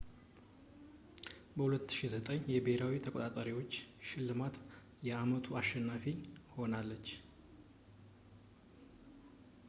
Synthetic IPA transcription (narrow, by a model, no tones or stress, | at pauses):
bəhulət̪ːɨ̥ʃizət̪ʼəɲjɛbehɾawit̪ʰəkʼot̪ʼat̪ʼəɾiwo̞t͡ʃːʃɪlːɨmat̪ | jɛamət̪ʰuaʃːɛnːafiho̞nalːət͡ʃː